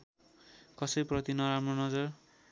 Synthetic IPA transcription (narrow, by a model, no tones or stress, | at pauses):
kʌsʌjprʌt̪inʌɾamrʌnʌd͡zʌr